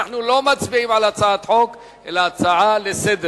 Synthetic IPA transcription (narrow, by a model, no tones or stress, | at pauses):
aħnulo̞mat͡sbiʕimʕalat͡saʕat̪ħo̞k | ʔelaat͡saʕalesed̪